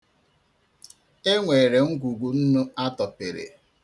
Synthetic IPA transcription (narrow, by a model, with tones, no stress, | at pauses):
e˦ŋʷe˨ɾe˨ŋ̩˦ɡʷu˨ɡu˨n̩˦nʊ˦a˦tɔ˨pe˨ɾḛ˨